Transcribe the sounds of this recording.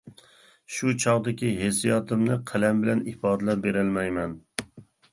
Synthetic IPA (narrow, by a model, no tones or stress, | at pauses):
ʃut͡ʃʰɑʁd̪ɪkʲiɦesijɑt̪ʰɨmnɨqʰælɛmbɪlɛnifɑːd̪ɨlɛɾbeɾɪlmɛjmɛn